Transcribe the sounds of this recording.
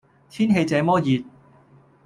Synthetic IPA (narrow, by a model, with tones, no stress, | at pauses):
t̪ʰiː˥nɦe˧jt͡sɛː˨˧mɔː˥jiː˨t̪̚